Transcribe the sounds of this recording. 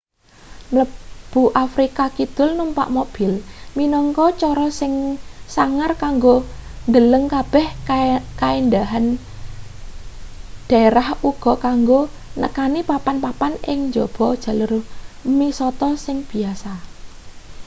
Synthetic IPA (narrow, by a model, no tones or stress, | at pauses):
mləb̥ṳʔafɾikakid̪̥ʊ̤lnumpa̰ʔmob̥ilminɔŋkɔt͡ʃɔɾɔsɪŋsaŋarkaŋɡond̪ələŋkab̥ɛhkaind̪aɦan | d̥aeɾahuɡ̥ɔ̤kaŋɡo | nə̰kanipapanpapanɪ̰ŋɲd͡ʒob̥ɔd̥ʒ̥ä̤lʊrmisɔt̪ɔsɪŋb̥i̤asa